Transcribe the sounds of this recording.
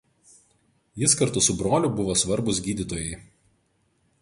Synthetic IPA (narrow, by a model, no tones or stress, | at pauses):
jɪskɐɾt̪ʊsʊbɾoːlʲʊbʊʋoːsʋɐɾbʊsɡʲiːd̪ʲɪt̪oːjɛɪ